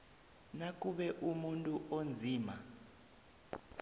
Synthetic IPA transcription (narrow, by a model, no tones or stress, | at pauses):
nak̬ʼuɓɛʔumuntʼuʔond͡zʱiːma